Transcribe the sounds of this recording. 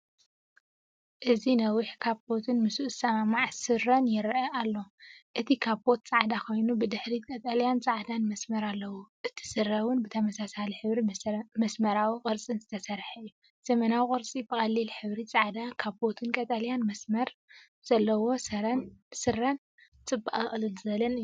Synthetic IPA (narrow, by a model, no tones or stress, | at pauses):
ʔɨzinɐwiħkʰaβbo̞t̪ʰɨnmɨsuʔsɐmamaʕsɨɾːɐnjɪɾʔɐʔalːo̞ʔɨt̪ʰikʰaβbo̞t̪̚t͡sʼaʕd̪akʰo̞jnubɨd̪ɨħɾikʼɐt̪ʼaljant͡sʼaʕd̪anmɐsmɐɾalːɐwoʔɨt̪ʰi̥sɨɾːɐwʊnbɨt̪ʰɐmɐsasaliħɨβɾimɐsmɐɾawikʼɨɾt͡sʼinzɨt̪ʰɐsɐɾħɨjːu | z̥ɐmɐnawkʼɨɾt͡sʼibɨkʼɐlːilħɨβɾit͡sʼaʕd̪akʰaβbo̞t̪ʰɨnkʼɐt̪ʼaljanmɐsmɐɾ | z̥ɐlːɐwo̞sɐɾɐnsɨrɐn | t͡sʼɨbːaʔɨχʼlɨlzɨɐlɐnɨj